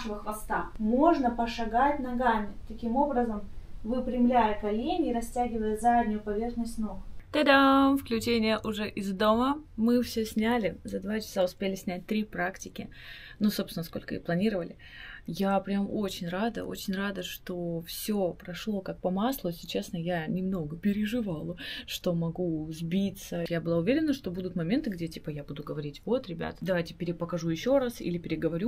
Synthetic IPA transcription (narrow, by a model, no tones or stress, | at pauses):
ʂɨvəxvɐst̪amo̞ʐnəpəʂɐɡatʲnɐɡamʲɪt̪ɐkʲimo̞bɾəzəmvɨpɾʲɪmlʲæjəkɐlʲenʲɪːɾɐsʲtʲæɡʲɪvəjəzadʲnʲʊjʊpɐvʲe̞rxnəsʲt̪ʲnoɡt̪əd̪amfklʲʉt͡ɕenʲɪjəʔʊʐɛʔɪzd̪oməmɨfsʲɵsʲnʲælʲɪzɐd̪vat͡ɕɪ̥saʊspʲelʲɪsʲnʲæt̚ʲt̪ɾʲipɾaktʲɪkʲɪ | nusopsʲɪnəsko̞lʲkəḭplˠɐnʲiɾəvəlʲɪ | japɾʲɪamo̞t͡ɕɪnʲrad̪ə̰ʔo̞̰t͡ɕɪnʲrad̪əʂt̪o̞fsʲopɾɐʂlˠo̞kak̚pɐmaslˠʊsʲɪt͡ɕesnəjanʲɪmno̞ɡəpʲɪɾʲɪʐɨvalˠəʂt̪o̞mɐɡuzbʲit̪səjabɨlˠaʊvʲeɾʲɪnːəʂt̪o̞bud̪ʊt̪mɐmʲe̞nt̪ɨɡdʲe̞tʲipəjabud̪ʊɡəvɐɾʲitʲvo̞t̪ɾʲɪbʲa̰t̪əd̪ɐvajtʲɪ̥pʲɪɾʲɪpəkɐʐujɪɕːo̞ɾasḭlʲɪpʲɪɾʲɪɡəvɐɾʲu